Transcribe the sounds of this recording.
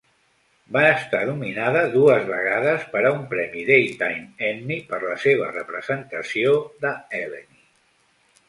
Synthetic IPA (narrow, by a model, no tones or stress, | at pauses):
baəst̪anuminaðəðuəzβəɣ̞aðəspəɾəumpɾɛmiðejt̪ajmɛnːipəɾləseβ̞ə̰rəpɾəzənt̪əsioðəɛləni